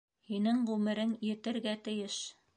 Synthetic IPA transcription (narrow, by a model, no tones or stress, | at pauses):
hinɘŋʁʉmɘ̆ɾɘnjɘ̆t̪ɘ̆ɾɡæt̪ɘ̆jɘʃ